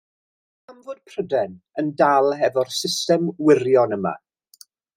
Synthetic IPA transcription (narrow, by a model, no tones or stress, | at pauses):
amvoːd̥̚pʰrədɛn | əndalˠɦɛvɔrsɪstɛmwɪrjɔnəma̰